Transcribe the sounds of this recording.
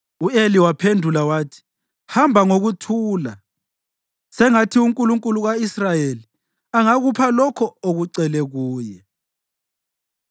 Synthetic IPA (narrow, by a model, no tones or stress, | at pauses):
ueliwapʰendʱulawaːtʰi̥ | hambʱaŋoɣutʰuːla | sɛŋatʰiuŋkʼuluŋkʼuluɣaisrajeli | aŋaɣupʰalɔkʰɔoɣuǀɛlɛɣuːjɛ